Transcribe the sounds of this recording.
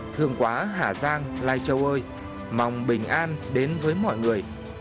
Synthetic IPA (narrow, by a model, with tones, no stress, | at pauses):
t̪ʰɨ˨˩əŋkwaː˨˦ɦaː˧˩zaː˧ŋla̰ː˧˨jt͡ɕə˨˩wʔəː˧j | ma˨˩wŋ͡mɓï˨˩ŋ̟ʔaː˧nɗe˨˦nvəː˨˦jmɔ̰˧˨jŋɨ˨˩əj